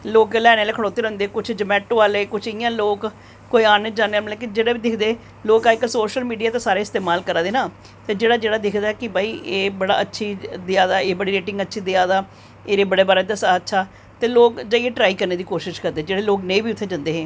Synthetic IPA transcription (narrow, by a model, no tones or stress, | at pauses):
loːklɛːnealeːkʰəɽoːt̪ːeːɾəʊ̃nd̪eːkʊt͡ʃʰd͡ʒəmɛːʈoːaːleːkʊt͡ʃʰɪjãːloːk | kːoːiːaːneːd͡ʒãːneːmlɛːkɪd͡ʒeːɽeːbiːd̪ɪkʰd̪eː | loːkaːɪksoːʃəlmiːɖijaːt̪ãːsaːɾeːɪst̪eːmaːlkəɾaːd̪eːnaː | t̪eːd͡ʒeːɽaːd͡ʒeːɽaːd̪ɪkʰd̪aːɛkɪbaːiːʔeːbəɽa̰ːətːʃʰiːd̪ɪaːd̪aːeːbəɽiːɾeːʈɪ̃ŋɡətːʃʰiːd̪eaːd̪aː | eːɾeːbəɽeːbəɽaːd̪əsaːətːʃʰaː | t̪eːloːkd͡ʒaieːʈɾaːiːkəɾneːd̪iːkoːʃɪʃkəɾd̪eːd͡ʒeːɽeːloːknẽːbiːʊt̪ʰːeːd͡ʒənd̪eːɦɛ̃ː